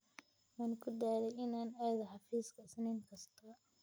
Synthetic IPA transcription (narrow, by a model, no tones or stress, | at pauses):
mɐːnkʰʊd̪aːlɛjɪnaːnɛːðɐħɑfiːskʰɐsɐnɛŋkʰɐst̪ʰɔ